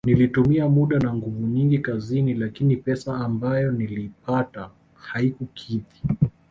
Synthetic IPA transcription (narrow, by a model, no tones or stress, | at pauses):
nilitumiamuɗanaŋɡuvuɲiŋɡikazinilakinipɛsaːmbajɔnilipata | haikukʰiti̥